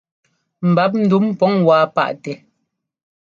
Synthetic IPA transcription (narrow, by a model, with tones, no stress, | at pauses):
m̩˨ba˨˦p̚n̩˦˨du˨˦m˦pɔ˨˦ŋwaː˨˦pa̰˦ʔtɛ˨